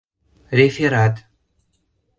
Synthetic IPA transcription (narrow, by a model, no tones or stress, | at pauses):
rʲefʲeɾat̪